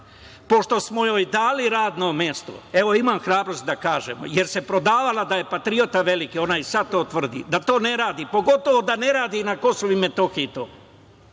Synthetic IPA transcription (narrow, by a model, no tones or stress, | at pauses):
po̞ʃt̪o̞smo̞joːjd̪aːliɾaːd̪nomjest̪o̰e̞ʋo̞imaːmxɾaːbɾo̞st̪̚d̪akaːʒḛmo̰je̞ɾse̞pɾo̞d̪aːʋalad̪aje̞pat̪ɾio̞t̪aʋe̞likio̞naisad̪̚t̪ːo̞ːt̪ʋr̩d̪ḭd̪at̪o̞ːne̞ɾaːd̪ipo̞ɡo̞t̪o̞ʋo̞d̪ane̞ɾaːd̪inako̞soʋime̞t̪o̞xiit̪o̰ː